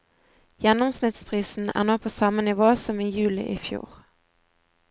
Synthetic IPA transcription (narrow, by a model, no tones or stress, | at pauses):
jɛnʊmsnɪt̪spʰʁiːsn̩æ̰ːnoːpʰoːsɑmənɪʋoːsɔmiːjʉːlɪ̰ʔɪfjṵːʁ